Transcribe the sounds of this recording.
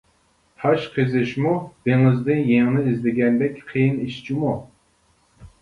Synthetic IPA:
t̪ʰɑʃqʰɨzɪʃmub̥eŋɪzd̪ɪnjeŋnɪizlɪɡʲɛnd̪ɛkʲqʰijɪniʃt͡ʃʰimu

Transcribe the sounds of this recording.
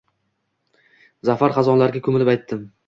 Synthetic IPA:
zafaɾχɑzɒnlaɾɡʲakʲʰɵmɪlɪpajt̪ːɪm

